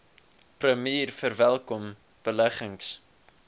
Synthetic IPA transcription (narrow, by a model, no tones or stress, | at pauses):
prəmiːrfərvælˠkɔm | b̥əlæχəŋs